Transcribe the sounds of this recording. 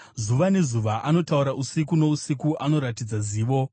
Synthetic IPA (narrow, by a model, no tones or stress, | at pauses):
zuʋane̞zuʋaʔano̞tauɾaʔusikuno̞usikuʔano̞ɾatid͡zaziːʋo̞